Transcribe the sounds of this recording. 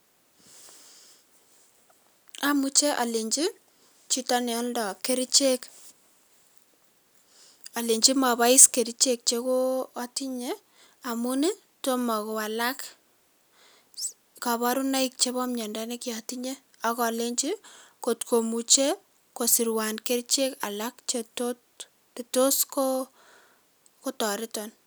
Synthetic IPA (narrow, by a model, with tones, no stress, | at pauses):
a˦mu˦t͡ʃe˦ʔa̰˨le˨ɲd͡ʒi˦ | t͡ʃi˦tɔ˦ne˨ɔ˦ldɔ˨ke˦ɾi˦t͡ʃe˦k | a˨le˨ɲd͡ʒi˦ma˨ba˦i˦ske˨ɾi˦t͡ʃe˦k̚t͡ʃe˦koː˦ti˦ɲe˦ | a˨mu˦ne˦ | to˦mɔ˨ko˨wa˨la˦k | ka˨βa˦ɾu˦na˦ik̚t͡ʃe˦bɔ˦mɲɔ˨nda˦nekjɔ˨ti˦ɲe˦ | ɔ˦kɔ˨le˦ɲt͡ʃi˦ko˨tko˨mu˨t͡ʃe˦ | ko˨si˨ɾwa˨nke˦ɾit͡ʃe˦ka̰˨lakt͡ʃetot | e˨to˦sko | ko˦tɔ˨ɾɪ˦tɔ˨n